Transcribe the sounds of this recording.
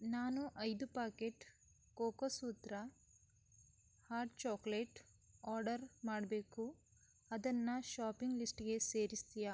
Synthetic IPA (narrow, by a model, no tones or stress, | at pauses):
naːnuʔɐjd̪upaːkeʈ | koːkosuːt̪ɾɐ | haːɾʈt͡ʃaːkleʈ | aːɾɖɐɾmaːɽɐbeːku | ɐd̪ɐnːɐʃaːpiŋɡlisʈɡe̞se̞ːɾist̪ija